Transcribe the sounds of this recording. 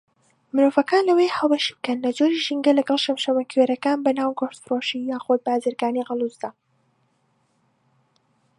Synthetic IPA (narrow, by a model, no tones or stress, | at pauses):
mɨɾoːvɐkaːnlɐwejhɐlˠbɐʃi̥bɨkɐnlɐd͡ʒoɾiʒiŋɡɐlɐɡɐlˠʃɐmʃɐmɐkʰweːɾɐkaːnbɐnaːwɡoʃt̪fɨroːʃijaːxod̪̚baːzɨɾɡaːniɣɨlˠuzd̪ɐ